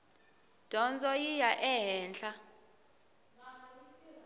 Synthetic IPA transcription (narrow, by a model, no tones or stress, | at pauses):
d̥ʱɔnd͡zʱʼɔjijaʔɛɦɛːnt͡ɬa